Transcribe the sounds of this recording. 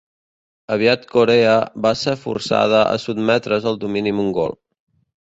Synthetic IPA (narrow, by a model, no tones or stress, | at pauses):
əβiat̪koɾeəβasefṵrsa̰ð̞əʔə̰sud̪mɛt̪ɾəzəlˠd̪uminimuŋɡo̰lˠ